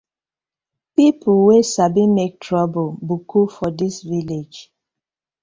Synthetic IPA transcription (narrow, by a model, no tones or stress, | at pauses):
pipʰuwesabĩmek̚tʰɹɔbobukʰufɔdisviled͡ʒ